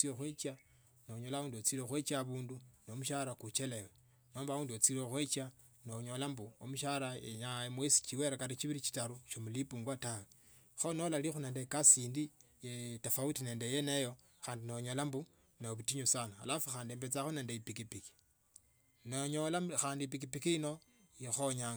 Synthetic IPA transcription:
t͡sijoxwet͡ʃa | noɲolauːnduot͡siloxwet͡ʃaβuːndunomuʃaɾakut͡ʃelewe | noːmbauːnduot͡siloxwet͡ʃa | noɲolambuomuʃaɾaeɲamwesi̥t͡ʃiweɾakaɾit͡ʃiβiɾit͡ʃi̥taɾuʃomulipuːŋɡwatawe | xonolalixuneːndekasiːndi | jetafautine̞ːndejenejo̞ | xaːndinoɲolambu | neoβutiɲusanaa̰lafuxaːndiembet͡saxoneːndeipikipiki̥ | noɲolaxaːndip̬ikipikiino̞ | jixoɲaŋ

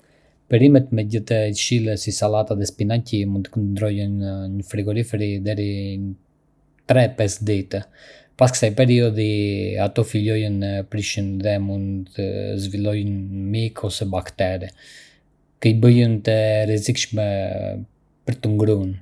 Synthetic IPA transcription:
pɛɾimɛt̪mɛɟət̪ɛcʃilˠəsisalat̪aðɛspinacimunt̪ə̥kənənd̪ɾɔjənɲəfɾiɡɔɾifɾid̪ɛɾi | t̪ɾɛpɛsd̪it̪ə | paskə̥sajpɛɾiɔðiat̪ɔfiʎɔjənəpɾiʃənðɛmund̪t̪ə̰zvilˠɔjnmikʰɔsɛbakt̪ɛɾɛ | kəjbəjənt̪əɾɛzikʃmɛ | pəɾt̪əŋɡɾun

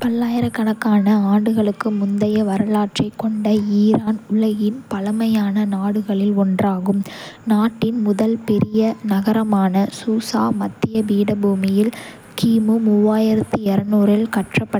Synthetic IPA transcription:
pɐlːaːjɪɾɐkːɐɳɐkːaːnɐaːɳɖɯɣɐɭɯkːɯmʊnd̪ɐjɐʋɐɾɐlaːʈrɐɪkːɔɳɖɐiːɾaːnʊɭɐɣɪnpɐlɐmɐjaːnɐnaːɽɯɣɐɭɪlɔndraːɣɯmnaːʈːɪnmʊðɐlpɛɾɪjɐnɐɣɐɾɐmaːnɐsuːsa̰ːmɐt̪ːɪjɐbiːɽɐbuːmɪjɪl | kiːmɯmʊʋːaːjɪɾɐt̪ːiɛɾɐnuːɾɪlkɐʈrɐpːɐ

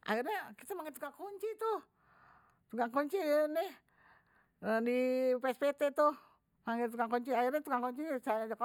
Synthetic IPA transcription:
ʔa̰irɲakit̪amaŋɛt̪ukaŋkoɲt͡ʃit̪uh | t̪ukaŋkoɲt͡ʃinɛ | ədipɛspet̪ɛt̪uh | maŋɛt̪ukaŋkɔɲt͡ʃiairɲat̪ukaŋkɔɲt͡ʃisajad͡ʒak

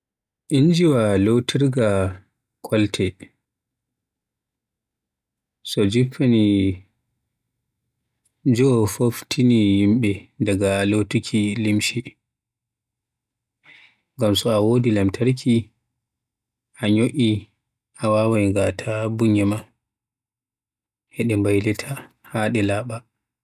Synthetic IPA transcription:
ʔind͡ʒiwalowtʰiɾɡa | kʰɔltʰɛ | sɔd͡ʒipʰːani | d͡ʒɔfoftʰinijimɓɛdaɡalotukʲʰilimʃi | ŋɡamsɔawoːdilamtʰaɾkʰi | ʔaɲoʔʲi | ʔawaːwajŋɡatʰabuɲːɛma | ʔɛɗɛmbajlɛtʰa | haɗɛlaːɓa

